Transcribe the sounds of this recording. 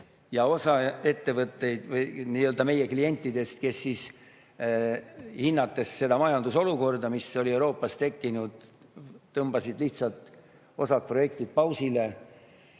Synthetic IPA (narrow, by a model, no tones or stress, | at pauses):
jɑo̞sɑe̞t̪ːe̞vɤt̪ːe̞jd̪̥vɯjniːø̞ld̪ɑme̞je̞klie̞nʲt̪ːˑid̪e̞st̪ke̞sːiːs | hinːɑt̪ːe̞sːe̞d̪ɑmɑjɑnd̪̥uso̞luko̞rd̪̥ɑmiso̞lʲie̞wɾo̞ːpːˑɑst̪e̞kːinud̪̥t̪ːɤmbɑsid̪̥liht̪sɑlt̪ | o̞sɑt̪̚pro̞je̞kt̪id̪̥̚pɑwsile̞